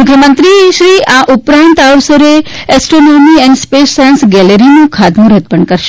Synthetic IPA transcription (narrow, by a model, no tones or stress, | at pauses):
ʊkʰjəmənt̪ɾiʃɾiʔaʔupɾant̪aʋsəɾeɛsʈɾonomiɛnspesːajənsɡɛləɾinũkʰad̪mũɾət̪̚pəɳkəɾʃ